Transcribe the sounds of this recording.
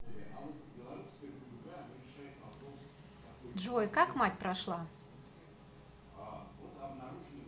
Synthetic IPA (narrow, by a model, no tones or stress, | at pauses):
ɐvot̪bʲɪlˠɐɾuskəjəpʊlʲʊɡaɐnɐɾʲɪʂajɪt̪vɐpɾo̞s | k̪ɐkojdʐojkakmatʲpɾɐʂlˠa | avot̪ɐbnɐɾuʐɨnɨ